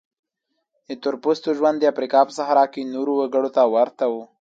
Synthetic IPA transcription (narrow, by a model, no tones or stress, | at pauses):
d̪ət̪ʊɾpust̪oʒwand̪ːəafɾikɑpəsahɾɑkenoɾowaɡəɽot̪awaɾt̪awu